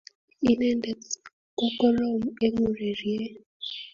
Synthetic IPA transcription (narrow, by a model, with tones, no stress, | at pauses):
i˨nɛ˦nde˨t | ko˦kɔ˦lɔ˦˨m̩˦e˦ŋu˨ɾi˨ɾi˨e˦